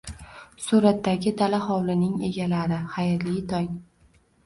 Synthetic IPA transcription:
suɾat̪ːaɡʲɪd̪alaχɒwlɪnɪŋe̞̰ɡʲalaɾɪχajɾlijt̪ʰɒj

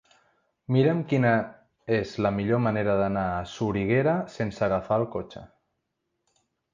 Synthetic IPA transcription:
miɾəmkinə | ezləmiʎoməneɾəðənaːsuɾiɣ̞eɾəsensəɣafaəlˠkot͡ʃə̰

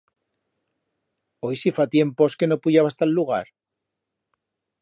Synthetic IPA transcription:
ojsifat̪je̞mposke̞nopuʝaβast̪alːuɣ̞a̰ɾ

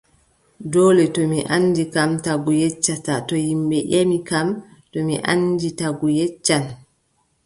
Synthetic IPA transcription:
dɔːlɛtɔmiʔanːdikamtaɡujɛt͡ʃːatatɔjimbɛʔemikamtɔmiʔa̰nditaɡujɛt͡ʃːan

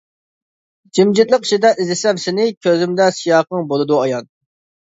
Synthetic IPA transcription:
d͡ʒimd͡ʒɪt̪lˠəqi̥ʃid̪ɛʔizɪsɛmsɪnɪkʲʰøzɪmd̪ɛsijɑːqɨŋbolˠɨd̪uɑjɑn

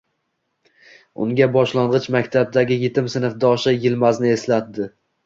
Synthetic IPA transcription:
ʊ̰ŋɡʲabɒʃlaɴʁɨt͡ʃmakʲt̪ʰab̚d̪aɡʲɪjet̪ʰɪmsɪnɨfd̪ɒʃajɪlmaznɪe̞slat̪̚d̪ɪ

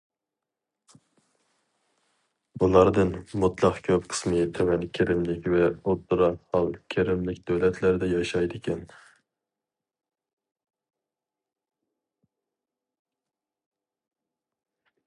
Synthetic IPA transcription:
ulˠɑɾd̪ɨnmut̪ʰlˠɑqkʲʰøpqʰə̥smɨt̪ʰɛwɛnkʲʰeɾɪmlɪkʲvɛot̪ːɾɑhɑlˠkʲʰeɾɪmlɪkʲd̪̥øwlɛt̪ʰlæɾd̪ɛjɑʃɑjd̪ɪkʲʰɛn

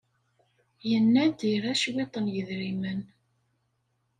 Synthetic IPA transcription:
jənːæd̪iɾæʃwet̪ˤːənjəðɾimən

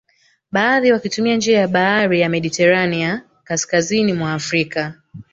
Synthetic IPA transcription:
ɓaːðiwakitumiand͡ʒiajaɓaaɾijamɛɗitɛɾania | kaskazinimwaːfɾika

